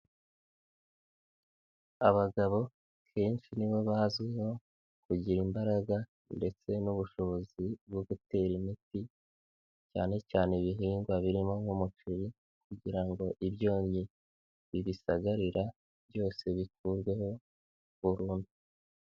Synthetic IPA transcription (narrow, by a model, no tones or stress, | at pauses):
aβaɡaβo̞ | kʰe̞ːnʃiniβo̞βazɡeho̞ | kuɟiɾimbaɾaɡa | nde̞t͡se̞nuβuʃo̞βo̞zibɡoɡute̞ːɾimiti | caːne̞caːneβiɦiːŋɡwaβiɾimo̞mumut͡ʃiɾi | kuɟiɾaŋɡo̞ʔiβjo̞ːɲi | βiβisaɡaɾiɾa | βjo̞ːse̞βikuːɾɡwe̞ho̞ | βuɾuːndu